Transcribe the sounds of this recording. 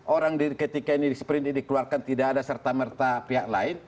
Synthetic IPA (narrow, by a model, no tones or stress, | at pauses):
ʔoɾaŋdiɾikət̪ikainidispɾɪnt̪idikəluarkant̪idaːdasərt̪amərt̪apiɦaʔlaɪn